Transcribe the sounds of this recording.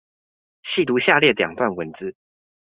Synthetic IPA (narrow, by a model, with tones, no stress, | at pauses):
ɕi˥˨t̪u˧˦ɕja˥˧ljɛ˥˩ljɑ̰˨˩ŋt̪wa˥˩nwə˧˦nt͡sɹ̩˦